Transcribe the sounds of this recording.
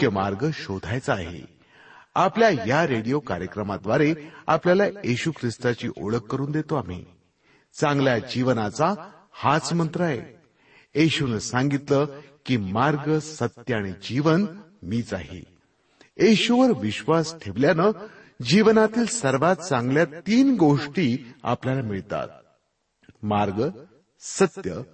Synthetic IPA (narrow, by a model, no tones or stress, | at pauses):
kjəmaɾɡəɕod̪ʱajt͡səːɦḛ | apljajaɾeɽijoka̰ɾjəkɾəmad̪ʋaɾea̰pljalajeɕukʰɾist̪at͡ɕḭːʔo̰ɭəkːəɾuːnd̪et̪oam̤ḭ | t͡sãŋɡljad͡ʑiʋnat͡sa | hat͡smənt̪ɾəaɦḛ | jeɕunəsaŋɡit̪ləːkiːmaɾɡəsət̪jəaɽ̃id͡ʑiʋən | miːt͡sa̰ɦḛ | eɕuʋəɾʋiɕʋasʈʰeʋljanə | d͡ʑiʋnat̪iːlsəɾʋat̪̚t͡sãŋɡljat̪iːnɡoʂʈiːa̰pljalamiɭt̪a̰t̪̚ | maɾɡə | sət̪jə̰